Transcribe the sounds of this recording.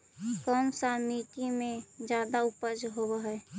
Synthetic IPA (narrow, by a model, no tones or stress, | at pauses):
kəmsaɾmit̪imẽd͡ʒjaːd̪aʊpəd͡ʒɦobəɦɛe